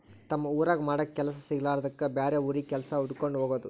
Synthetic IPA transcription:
t̪ɐmːɐuːɾaːɡɐmaːɽɐkːɛlɐs̬ɐsiɡɐlaːɾɐd̪ɐkːɐbaːɾeuɾikɛlɐsɐuɽkoɳɖɦoːɡoːd̪u

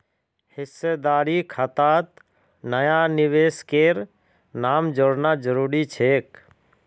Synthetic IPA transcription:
hɪsːed̪aːɾikʰat̪at̪ | nəjaniʋeːskeɾ | naːmd͡ʒoɽnad͡ʒəɾuːɾit͡ʃʰek

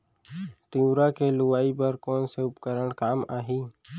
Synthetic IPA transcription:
t̪iuɾakelʊwaːipəɾkɔːnseʊpkəɾəɽ̃kaːmaːɦiː

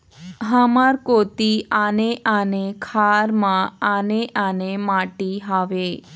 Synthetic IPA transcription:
ɦamaɾkot̪ianeʔanekʰaɾmãːneʔanemaʈiɦaʋe

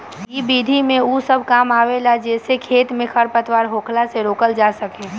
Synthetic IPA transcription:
kibiːd̪ʱimẽusəb̚ʱkaːmaːʋelad͡ʒɛːsekʰeːt̪mẽkʰəɾpət̪waːɾɦoːkʰlaseɾoːkəld͡ʒaːsəkeː

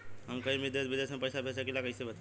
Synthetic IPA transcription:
ɦɐmkəimɪd̪esʋɪd̪eːsmẽpɐjsapɛːsakilakɐisebɐt̪a

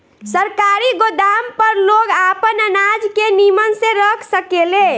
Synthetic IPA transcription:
səɾkaɾiɡod̪ampəɾloɡapənənad͡ʒkenimənseɾəkʰsəkele

